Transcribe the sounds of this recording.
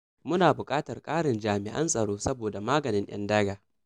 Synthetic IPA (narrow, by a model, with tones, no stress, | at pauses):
mʊ˦naː˨bʊ˨kʼaː˦tɐ˨rkʼaː˦ɽɪ˨nd͡ʒaː˨mɪ̰˨ʔɐ̰˦nsʼɐ˨ɽoː˦sɐ˦boː˨da˨maː˦ɡɐ˨nɪ˦nj̰ɐ̰˦ndɐ˦ɡaː˨